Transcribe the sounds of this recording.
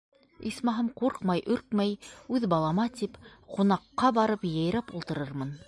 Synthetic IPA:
ismɑɦɤmquɾqmɑjʔɵɾkmæjʉðbɑlˠɑmɑt̪ipqunɑqːɑbɑɾɤpjæ̆jɾæpulˠt̪ɤ̆ɾɤɾmɤn

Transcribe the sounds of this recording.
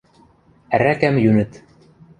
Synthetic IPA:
æɾækæmjʉnɘt̪

